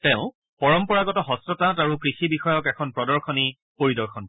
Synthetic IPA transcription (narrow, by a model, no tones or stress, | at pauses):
tɛ̃ʊ̃ | pɔɹɔmpɔɹaɡɔtɔɦɔstɔtãtaɹukɹixibixɔjɔkɛkʰɔnpɹɔdɔɹxʰɔni | poɹidɔɹxʰɔn